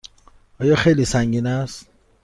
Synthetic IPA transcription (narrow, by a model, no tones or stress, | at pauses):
ɒːjɒːxejlisæŋɡiːnæst̪